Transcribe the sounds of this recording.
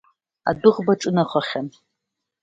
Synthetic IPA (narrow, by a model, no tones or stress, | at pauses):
a̰dʊʁbaʈ͡ʂʼɨnaχʷaχʲan